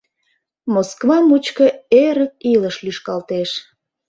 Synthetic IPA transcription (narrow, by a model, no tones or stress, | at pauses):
moskvɑmut͡ɕkə̆eɾək̚iləʃlyʃkɑlt̪eʃ